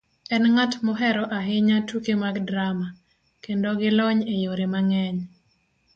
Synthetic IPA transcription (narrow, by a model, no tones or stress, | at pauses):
ɛnŋatmɔɦɛɾɔʔaɦɪɲatukemaɡdɾama | kendoɡɪlɔɲejoɾemaŋɛɲ